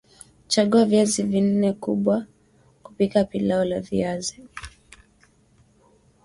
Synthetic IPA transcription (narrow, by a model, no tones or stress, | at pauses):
t͡ʃaɠuavjazivin̩nɛkuɓwa | ku̥pikapilaɔlavḭazi